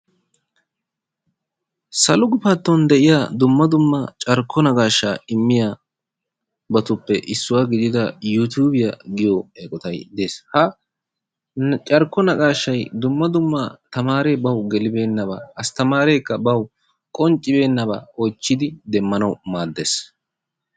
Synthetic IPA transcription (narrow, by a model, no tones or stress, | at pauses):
sɐlʊɡʊpɐt̪ːɔnd̪ɛʔɪjaːd̪ʊmːɐd̪ʊmːɐt͡ʃʼɐɾkʰːɔnɐɡaːʃːaːɪmːɪja | bɐt̪ʊpːɛʔɪsːʊwaːɡɪd̪ɪd̪ɐjut̪uːbɪjɐɡɪjɔeːkʼɔt̪ɐjd̪e̞ːshɐ | t͡ʃʼɐɾkːɔnɐɡaːʃːɐjd̪ʊmːɐd̪ʊmːat̪ɐmaːɾeːbɐwɡɛlɪbe̞ːnːɐbɐ̰ɐst̪ɐmaːɾeːkːɐbɐw | kʼɔnt͡ʃʼːɪbe̞ːnːɐbɐ̰ɔjt͡ʃːɪd̪ɪd̪ɛmːɐnɐwmaːd̪ːe̞ːs